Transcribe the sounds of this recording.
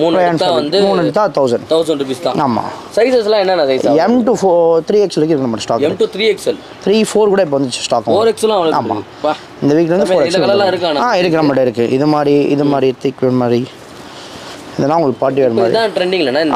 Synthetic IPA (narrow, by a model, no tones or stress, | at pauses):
muːnɐɐnãʋɐnd̪ɯmuːnːɐɳɖt̪ãt̪ɐʊsɐɳɖt̪ɐʊsɐɳʈufɪst̪ãːaːma̰ːsɐɪsɐslãɛnːɐnːãsɐɪsaɛmʈufoːt̪ɾiːɛkslɪɾɯkːɪɾɯkːnɐmɐʈːsʈaːkːmʈut̪ʰɾiːɛksɐl | t̪ʰɾiːfoːɾkuːɽɐɪp̬ːoːʋɐnd̪ʈːt͡ʃːɯ̥sʈaːkɐoːɾɛkslãɐʋɐa̰ːma̰ | ɪnd̪ɐʋiːk̬ːlɐʋɐnd̪ɯfoːɾɛksɐlɐlãɪɾɯkːaːnãaːɪɾɯk̬ːɯɾɐmɐʈːɐɪɾɯkːɯʔɪðɯmaːd̪ɾiɪ̰ðɯmaːd̪ɾit̪ɪkːʋɐɾmaːd̪ɾi | ɪðɐnːãːʊŋɡɐɭk̚paːʈ̬ːiʋɐːɾɐmaːd̪ɾit̪ãːʈɾɛɳɖɪŋɡɪlɐnːãːɪn